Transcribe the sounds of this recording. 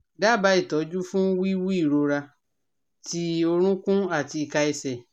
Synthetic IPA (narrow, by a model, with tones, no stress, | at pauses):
da˦˨ba˧˦i˨tɔ˨˦d͡ʒu˦fũ˦wi˦wi˦i˦˨ɾo˧ɾa˧ | ti˧˦o˧ɾ̃ũ˦kũ˦a˦˨ti˧i˧ka˧i˧sɛ˨